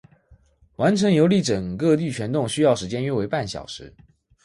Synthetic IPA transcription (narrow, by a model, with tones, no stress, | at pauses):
wa˧˥nʈ͡ʂʰɤ˧˥ŋjo˧˥ʊli˥˩ʈ͡ʂə˨˩ŋkɤ˥˧t̪i˥˩t͡ɕʰɥɛ˧˥nt̪ʊ˥˩ŋɕy˥jɑ˥˩ʊʂɻ̩˧˥t͡ɕjɛ˥nɥɛ˥˩we˧˥ɪpa˥˩nɕjɑ̰˨˩ʊʂɻ̩˧˥˦